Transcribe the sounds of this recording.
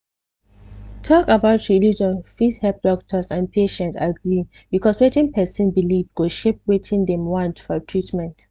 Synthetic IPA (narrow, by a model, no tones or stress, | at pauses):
tʰɔkabaʊtɹilid͡ʒɔ̃nfiθhɛp̚d̥ɔk̚tʰɔsãnpʰeʃɛ̃ntaɡɹi | bikʰɔswɛtĩnpʰɛsɛ̃nbilivdɡoʃep̚wetʰĩndɛ̃mwɔ̃ntfɔtʰɹitmɛ̃nt